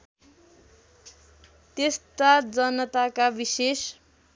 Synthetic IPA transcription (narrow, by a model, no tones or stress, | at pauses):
t̪est̪ad͡zʌnʌt̪akabises